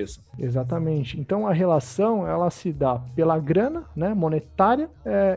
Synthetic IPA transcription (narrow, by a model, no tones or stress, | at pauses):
esɐezat̪ɐmẽnt͡ʃɪẽnt̪ɐ̃w̃ɐɦelasɐ̃w̃ɛlɐsɪd̪apelɐɡɾɐ̃nɐnɛmonet̪aɾiɐɛ